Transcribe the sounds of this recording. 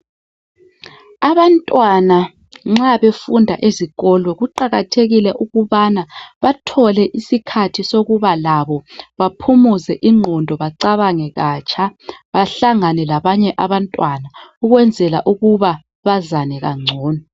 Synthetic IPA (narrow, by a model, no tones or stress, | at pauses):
aβantʼwana | ŋ͡ǁaβefundʱa̰ʔeziɣɔlwɛɣuǃaɣatʰeɣilɛʔuɣuβanaβatʰɔlɛʔisikʰatʰisoɣuβalaβɔβapʰumuzɛʔiŋ͡ǃʱɔndʱɔβaǀaβaŋɛɣat͡ʃʰʼaβaɬaŋanɛlaβaɲɛʔaβantʼwanauɣwɛnd͡zʱɛla̰ʔuɣuβa | βazanɛɣaŋ͡ǀʱɔːnɔ